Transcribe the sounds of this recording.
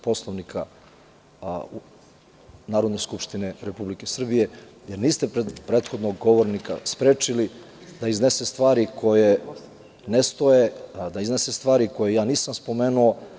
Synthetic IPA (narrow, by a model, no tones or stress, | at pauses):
po̞slˠoʋnikʰa | naːɾo̞d̪ne̞skupʃt̪ineɾepublike̞sr̩bije̞jeɾniːst̪epɾeːt̪xo̞d̪noɡɡo̞ʋoɾnika̰spɾeːt͡ʃili | d̪aizne̞sest̪ʋaːɾikʰo̞je | nest̪o̞jed̪aiznesest̪ʋaːɾiko̞jejaːniːsamspo̞me̞ːnuo̞